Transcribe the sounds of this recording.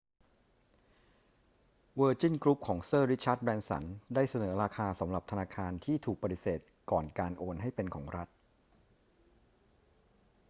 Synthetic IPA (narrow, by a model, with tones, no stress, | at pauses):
wəː˧t͡ɕi˥˩nkɾu˦˥p̚kʰɔː˩˦ŋsɤː˥˩ɾi˦˥t͡ɕʰaː˦˥t̪̚bɛː˧nsa̰˩˦ndaː˥˩jsa˧nɤː˩˦ɾaː˧kʰaː˧sa˩˦mɾa˨˩p̚t̪ʰa˧naː˧kʰaː˧nt̪ʰiː˥˩t̪ʰuː˨˩k̚pa˧t̪i˨˩seː˨˩t̪̚kɔː˨˩nkaː˧nʔoː˧nɦa˥˩jpe˧nkʰɔː˩˦ŋɾa˦˥t̪̚